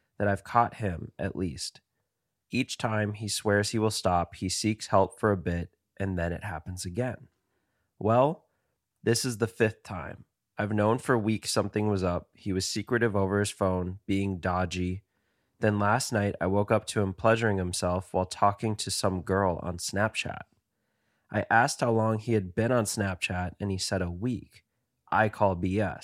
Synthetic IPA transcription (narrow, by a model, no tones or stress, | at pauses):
ðɨɾaɪv̥kʰɔt̚hɪ̃mʔɨ̰ʔlist | it͡ʃtʰãɪ̃miswɛɹz̥hiwəlˠstɑphisikshɛlˠpfə˞ɨbɪɾ | ʔɨ̃nðɨ̃ñɨ̰t̚hæpn̩zɨɡɛ̃n | wɛlˠ | ðɪsɨzðəfɪθtʰãɪ̃m | aɪvnõʊ̃nfə˞wiksʌ̃mθɪ̃ŋwʌzʌp̚hiwʌz̥sikɹɨɾɨvoʊvə˞ɨz̥fõʊ̃nb̥iɪ̃ŋdɑd͡ʒi | ðɨ̃nlæstⁿnaɪɾa̰ɪwoʊkʌp̚tʰɨɨ̃mpʰl̥ɛʒə˞ɪ̃ŋhɨ̃msɛlˠfwaɪlˠtʰɔkɪ̃ŋtʰɨsʌ̃mɡɜ˞lˠə̰̃nsnæp̚t͡ʃʰæ̰t̚ | ʔaɪʔæst̚haʊlɔ̃ŋiɨd̚bɪ̃ñə̃nsnæp̚t͡ʃʰæɾɨ̃nisɛɾəwik | ʔaɪkʰɔlˠbiɛ̰s